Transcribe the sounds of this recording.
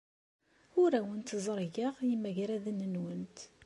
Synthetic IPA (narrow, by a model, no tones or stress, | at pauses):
ʊɾæwənt̪zˤɾˤʝəʁjəmːæʝɾæðənːənwənt̪